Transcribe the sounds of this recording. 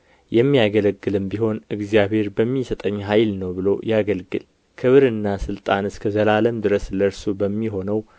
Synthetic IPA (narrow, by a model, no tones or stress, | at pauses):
jɛmːiaɡələɡːɨlɨmbiɦo̞nʔɨɡzijaβhe̞ɾbəmːisət̪ʼəɲːɦajlnəwbɨlo̞̰jaɡəlɡɨl | kʰɨβɾɨnːasɨlt̪ʼanɨskʰəzəlaləmd̪ɨɾəsləɾsubəmːiɦo̞nəw